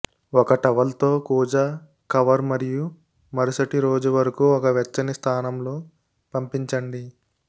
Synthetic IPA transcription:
ɔkɐʈɐʋɐlt̪o̞ːkuːd͡ʒɐ | kɐʋɐɾmɐɾiju | mɐɾɐsɐʈiɾoːd͡ʒuʋɐɾɐkuːɔkɐʋɛt͡ʃːɐnist̪ʰaːnɐmloː | pɐmpiɲt͡ʃɐɳɖi

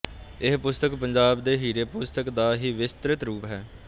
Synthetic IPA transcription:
ɪɦpʊst̪əkpəɲd͡ʒaːbd̪eːɦiːɾeːpʊst̪əkd̪aːɦiːʋɪst̪ɾɪt̪ɾuːpɦɛː

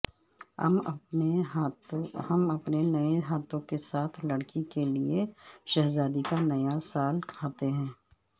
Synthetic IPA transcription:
hɐmɐpnenɐeɦaːt̪õkesaːt̪ʰlɐɽkikelieʃɐɦzaːd̪ikanɐjasaːlkʰaːt̪eɦɛ̃ː

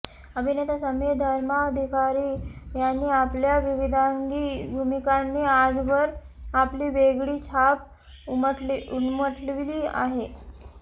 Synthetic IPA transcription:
əbʱinet̪asəmed̪ʱəɾmaəd̪ʱikaɾiːjanːiːapljaʋiʋid̪ʱaŋɡibʱumikanːiːad͡zʋəɾ | apliːʋeɡɽiːt͡ɕʰap | unməʈlʋiliːa̰ɦe

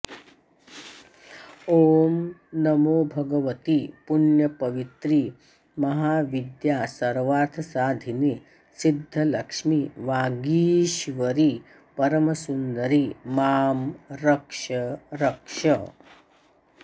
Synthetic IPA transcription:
oːmnɐmoːbʱɐɡɐʋɐt̪ipunjɐpɐʋit̪ɾi | mɐɦaːʋid̪jaːsɐɾʋaːɾt̪ʰɐsaːd̪ʱini | sid̪ʱːɐlɐkʂmiʋaːɡiːʃʋɐɾi | pɐɾɐmɐsund̪ɐɾimaːmɾɐkʂɐɾɐkʂɐ

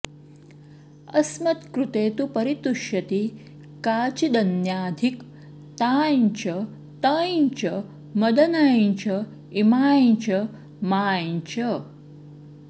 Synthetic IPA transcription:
ɐsmɐt̪kɾut̪eːt̪upɐɾit̪uʃjɐt̪i | kaːt͡ʃid̪ɐnjaːd̪ʱik | t̪aːɲt͡ʃɐ | t̪ɐjɲt͡ʃɐ | mɐd̪ɐnaːjɲt͡ʃɐ | imaːt͡ʃɐ | maːjt͡ʃɐ

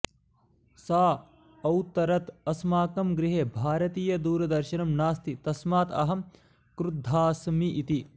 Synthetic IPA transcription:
saː | ɐwt̪ːɐɾɐt̪ɐsmaːkɐmɡɾiɦeːbʱaːɾɐt̪iːjɐd̪uːɾɐd̪ɐɾʃɐnɐmnaːst̪it̪ɐsmaːt̪ɐɦɐm | kɾud̪ʱːaːsmiʔit̪i

